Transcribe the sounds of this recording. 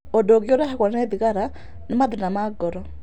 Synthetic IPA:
odoɣjoɾaɦekɔnanɛðiɣaɾa | nemaðenamaɡɔɾɔ

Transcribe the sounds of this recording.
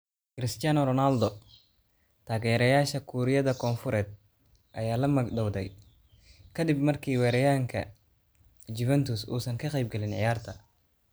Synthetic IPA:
kɾɪst̪ɪjanɔɾɔnald̪ɔ | t̪ʰaːɣɛːɾɐjaːʃɐkʰuɾɪjɐðɐkʰɔːnfʊɾɛːd̪̚ | ʔɐjaːlɐmɐɡd̪ɔwd̪ɛ̰j | kʰɐd̪ɪb̚mɐrkʰiːwɛːɾɛjaːŋkʰɐ̰ | d͡ʒuvɛnt̪ʰʊsṵːsɐŋkʰɐqɛjb̚ɡɛlɪnʕɪ̰jaːrt̪ʰɐ

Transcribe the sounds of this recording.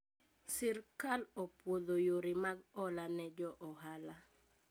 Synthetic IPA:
sɛrkalɔpwod̪ojoɾimaɡɔlanɛd͡ʒɔʔɔɦala

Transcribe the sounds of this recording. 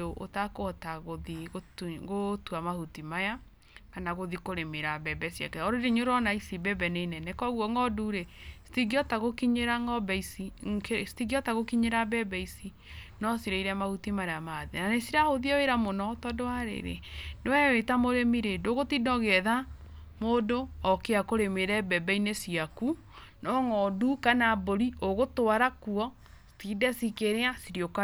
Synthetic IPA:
oʔo̰takoɔtaɣoðiɣoɣotuamahutimaja | kanaɣoðikoɾemeɾabɛbɛsja̰kɛɔɾoɾeɲoɾɔnaisibɛbɛnenɛnɛkɔɣwɔŋɔduɾesi̥tiɡiɔtaɣokiɲeɾaŋɔbɛisikestiɡiɔtaɣokiɲeɾabɛbɛisi | nɔsiɾeiɾɛamaɣutimaɾeamaðenanesiɾahoðiaweɾamonɔtɔdowaɾḛɾḛnewɛwetamoɾemiɾedoɣotidɔɣɛða | modoɔkeakoɾemeɾɛbɛbɛinesiaku | nɔŋɔdukanaboɾioɣotoaɾakuɔ | si̥tidɛsikeɾeasiɾioka

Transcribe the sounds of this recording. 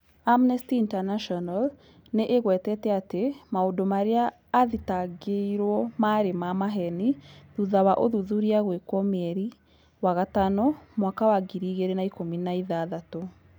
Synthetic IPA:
amnɛstiːntanaʃɔnal | neʔeɣwɛtɛtɛatemaodomaɾeaː | ðitaɡeiɾwɔmaɾemamaɦɛniðuðawaʔoðuðuɾiaɣwekwɔmɛɾi | waɣatanɔmwakawaɡiɾiːɣeɾenaikominaiðaːðato

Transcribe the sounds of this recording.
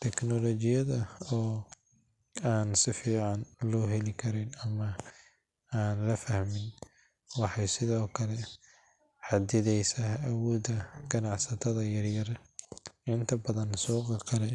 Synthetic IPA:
t̪ʰɛknɔlɔt͡ʃɪjɐðɐɔː | aːnsɪfiːʕɑnlɔːɦɛlɪkʰɐɾɪnɐmɐ | aːnlɐfɐhmɪn | wɑħɑjsɪðɔːkʰɐlɛ | ħɑd̪ɪðɛjsaːhːwɔːd̪ɐɡɐnɑʕsɐt̪ʰɐðɐjɐrjɐr | ɪnt̪ʰɐbɐðɐnsɔːqɑqɐlɛ

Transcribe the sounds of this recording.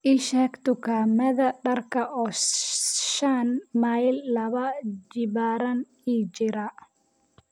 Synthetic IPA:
ʔiʃɛːkt̪ʊkʰaːmɐðɐɖɐrkʰɐʔɔː | ʃɐnmajlːɐβɐd͡ʒɪβaːɾɐn | it͡ʃɪɾɐ

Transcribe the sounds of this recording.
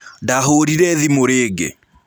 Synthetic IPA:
daɦoɾiɾɛðimoɾeːɡḛ

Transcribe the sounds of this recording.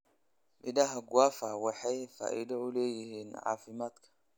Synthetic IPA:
ʔɪd̪aɦɐɡwaːfawɑħajfa̰ːʔɪ̰d̪ɐʊlɛːjɪhiːnʕa̰ːfɪmaːd̪kʰɐ̥

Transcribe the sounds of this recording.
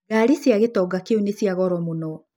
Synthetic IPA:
ɣaɾisjaɣetɔɡakeonesjaɣɔɾɔmonɔ

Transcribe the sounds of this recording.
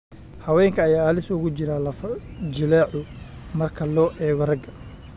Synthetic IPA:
hɐwɛːŋkʰɐːjaːlɪsʊɣʊt͡ʃɪɾɐlɐfd͡ʒɪlaːʕʊ | mɐrkʰɐlɔːʔɛːɣɔrɐɡɐ

